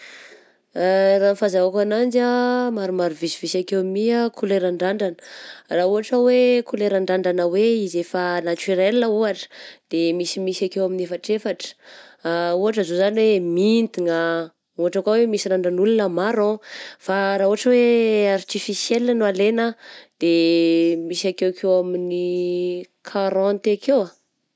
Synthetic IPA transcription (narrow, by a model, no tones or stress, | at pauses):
ranfazaakanand͡ʒamaɾumaɾuvisivisakewmiakʰuleɾaɳɖ͡ʐaɳɖ͡ʐanə̥rauɦaʈ͡ʂəwekuleɾaɳɖ͡ʐaɳɖ͡ʐanəweizefanat͡ʃiɾelinəuaʈ͡ʂə̥d̪̥emisimisakewaminefaʈ͡ʂefaʈ͡ʂə̥auɦaʈ͡ʂəzozaniwemint̪iŋa | uɦaʈ͡ʂakawemisiɾaɳɖ͡ʐanulunəmaɾɔ̃faɾaːuaʈ͡ʂəweaɾt̪ifisjelnanoalenəd̪̥e | misakewkʰewamini | kʰaɾɔ̃nt̪ekʰewa